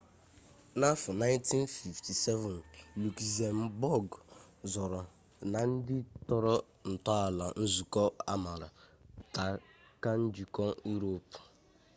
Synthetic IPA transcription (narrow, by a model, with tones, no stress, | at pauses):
na˦fʊ˨na˦ɪ˦nti˦nfi˨fti˨sɛ˦vɔ˨nlu˨ki˨za˨m̩˦bɔ˦˨ɡ | zɔ˨ɾɔ˨ | na˨n̩˦dɪ˦tɔ˨ɾɔ˦ | n̩˨tɔ˦a˨la˨n̩˦zu˨kɔ˦a̰˦ma˨ɾa̰˨ta˨ka˦n̩˦d͡ʒi˨kɔ˦ju˦ɾo˨p